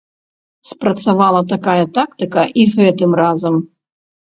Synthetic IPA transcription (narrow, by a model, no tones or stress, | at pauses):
spɾɐt̪savalˠɐt̪akajɐt̪akt̪ɨkɐʔiɣɛt̪ɨmrazɐm